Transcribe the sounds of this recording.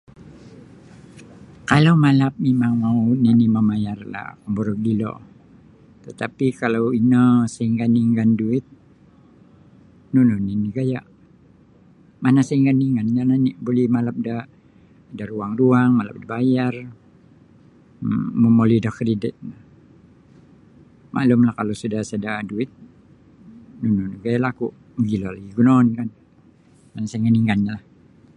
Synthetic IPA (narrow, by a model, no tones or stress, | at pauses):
kalawmalap̚memaŋmauninimamajarla̰kəmboɾɔk̚dilɔ̰ | t̪ət̪apikalawinəsaiŋɡaniŋɡanduɪt̪̚ | nunoniniɡaja̰ʔ | manasaiŋɡaniŋɡanjananiʔbolɛhmalap̚da | daɾuaŋruaŋmala̰p̚dabajar | məmolidahkɾidɪt̪̚na | mʔa̰lʊmlahkalosudasadaduɪt̪̚ | nunɔnːiɡajalaakuʔ | məɡilalaɡiɡunonkan | manasajŋɡaniŋanɲalah